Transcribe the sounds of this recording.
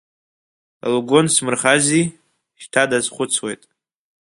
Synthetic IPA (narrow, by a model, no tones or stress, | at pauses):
a̰lɡʷonsmɨrχazi | ʃtʰadazχʷʊt͡sʰwe̞̰jtʼ